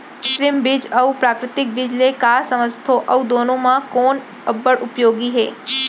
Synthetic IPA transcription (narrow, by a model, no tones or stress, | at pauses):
ʊʃlɪmbɪd͡ʒɐupɾaːkɾɪt̪ɪk̚bɪd͡ʒlekaːsɐməzt̪ʰoʔɐud̪oːnõmãkoːn | ɐbːəɽʊpjoːɡiɦɛː